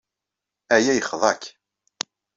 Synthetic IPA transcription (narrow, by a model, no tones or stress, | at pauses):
æjæjəχðˤɑk